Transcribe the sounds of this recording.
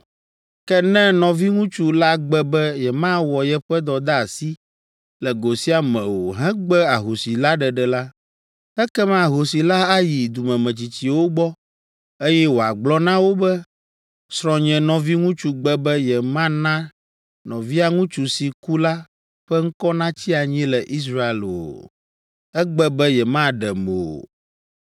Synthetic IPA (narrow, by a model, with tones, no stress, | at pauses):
kɛ˦nɛ̃˦nɔ̃˨vi˦ŋũ˦t͡ʃu˦la˦ɡ͡bɛ˦bɛ˦jɛ˨mã˦wɔ˨jɛ˦ɸɛ˦d̪ɔ˨d̪a˦a˨si˦ | lɛ˨ɡo˨si˦a˨mɛ̰̃˨wo˨ɦɛ̃˦ɡ͡bɛ˦a˨ɦo˨si˨la˦ɖɛ˨ɖɛ˨la˦ | ɛ˦kɛ˦mã˦˨ɦo˨si˨la˦a˦ji˨d̪u˨mɛ̃˨mɛ̃˨t͡ɕi˨t͡ɕi˨wo˦ɡ͡bɔ˦ | e˦jɛ˦wo˨a˨ɡ͡blɔ˦nã˦wo˦bɛ˦ | sɾ̃ɔ̃˨ɲɛ̃˨nɔ̃˨vi˦ŋũ˦t͡ʃu˦ɡ͡bɛ˦bɛ˦jɛ˨mã˦nã˦ | nɔ̃˨vi˦a˨ŋũ˦t͡ʃu˨si˨ku˦la˦ | ɸɛ˦ŋ̩˦kɔ˦nã˦t͡ɕi˦a˨ɲɛ̃˦lɛ˨ʔi˦s̬ɾa˦e˨lo̰˨ | ɛ˦ɡ͡bɛ˦bɛ˦jɛ˨mã˦ɖɛ˨mo˨o̰˨